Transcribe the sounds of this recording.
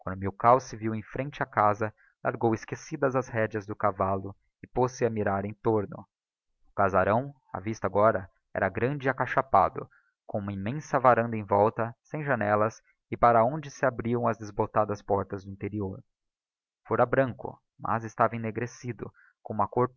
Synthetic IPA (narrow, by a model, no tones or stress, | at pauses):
kwɐ̃nd̪ʊmiwkawsɪviwẽj̃fɾẽnt͡ʃɪakazɐ | lʔa̰ɾɡowɪskesid̪ɐzɐzhɛd͡ʒɐzd̪ʊkavalʊ | ɪposɪamiɾaɾẽj̃t̪oɾnʊ̰ | ʊkazaɾɐ̃w̃ | a̰vist̪ɐaɡɔɾɐ | ɛ̰ɾɐɡɾɐ̃nd͡ʒɪakaʃapa̰d̪ʊ | kõũmɐimẽsɐvaɾɐ̃nd̪ɐẽj̃vɔwt̪ɐsẽj̃ʒɐnɛlɐs | ɪpaɾɐõnd͡ʒɪsɪabɾiɐ̃w̃ɐzd̪ezbot̪ad̪ɐspɔɾt̪ɐzd̪ʊĩnt̪eɾioɾ | foɾɐbɾɐ̃ŋkʊ̰ | mʔɐ̰zɪst̪avɐẽneɡɾesid̪ʊ | kõũmɐkoɾ